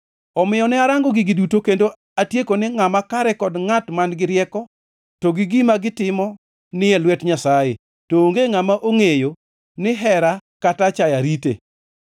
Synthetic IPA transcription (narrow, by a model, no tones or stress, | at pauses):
ɔmɪjɔnɛaɾaŋɡɔɡɪɡidutokendo | atjekonɪŋamakaɾɛkɔdŋatmanɡɪɾjɛkɔ | toɡɪɡimaɡɪtɪmɔ | nɪjɛlwɛtɲasaje | tooŋɡeŋamaʔoŋejo | nɪɦɛɾakatat͡ʃajaɾitḛ